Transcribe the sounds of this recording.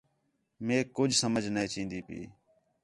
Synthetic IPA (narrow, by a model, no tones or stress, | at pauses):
mẽːkʊd͡ʒʱsəməd͡ʒʱnẽːt͡ʃĩːnd̪iːpḭː